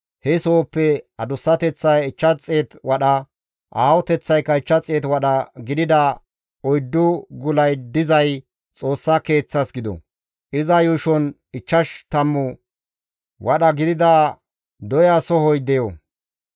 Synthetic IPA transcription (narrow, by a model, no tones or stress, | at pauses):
hɛsoːpːɛɐd̪ʊsːɐt̪ɛt͡sːɐjɪt͡ʃːɐt͡sʼːeːt̪wɐɗɐ | ʔaːwɔt̪ɛt͡sːɐjkːɐɪt͡ʃːɐt͡sʼːeːt̪wɐɗɐɡɪd̪ɪd̪ɐ | ɔjd̪ːʊɡʊlɐjd̪ɪzɐj | t͡sʼo̞ːsːɐke̞ːt͡sːɐsɡɪd̪ɔ̰ | ʔɪzɐjuʃɔn | ɪt͡ʃːɐʃt̪ɐmːʊ | wʔɐɗɐɡɪd̪ɪd̪ɐ | d̪ɔjasɔhɔjd̪ɛjɔ